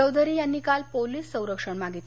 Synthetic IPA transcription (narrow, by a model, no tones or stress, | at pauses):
əwd̪ʱəɾiːjanːiːkalpoliːsːə̃w̃ɾəkʂəɳmaɡit̪